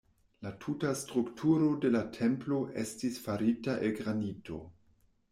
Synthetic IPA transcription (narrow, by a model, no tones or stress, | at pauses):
latʰutastɾuktʰuɾo̞de̞latʰemplo̞ʔe̞stisfaɾitaʔelɡɾanitʰo̞̰